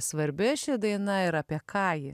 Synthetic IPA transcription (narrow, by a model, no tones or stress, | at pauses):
sʋɐɾʲbʲɪʃʲɪd̪ɐɪnɐɪɾɐːpʲiɛkʰɑːjɪ